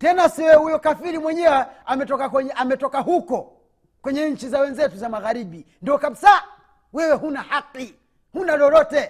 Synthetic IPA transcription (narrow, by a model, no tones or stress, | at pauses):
tɛnasiwɛhujɔkafiɾimwɛɲɛwɛamɛtɔkakɛɲɛamɛtɔkaɦukɔ | kwɛɲɛɲ̩t͡ʃizawɛnzɛtuzamaɣaɾiɓindiɔkaɓisa | wɛwɛɦunahaqi | hunalɔlɔtɛ